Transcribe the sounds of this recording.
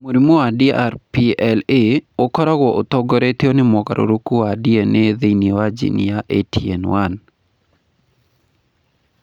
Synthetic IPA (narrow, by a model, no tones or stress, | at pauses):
moɾimoadiaɾpiɛleokɔɾɔɡɔʔot̪ɔɡɔɾet̪eonɪmɔka̰ɾʔo̰ɾokuadieneðenewad͡ʒḭnḭjaʔetʰiɛnwan